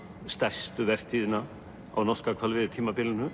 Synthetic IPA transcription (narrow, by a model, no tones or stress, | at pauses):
st̪aj̥st̪ʏvɛr̥t̪ʰiːðɪna | a̰wnɔskakʰvalvɪðɪt̪ʰiːmapɪlɪnʏ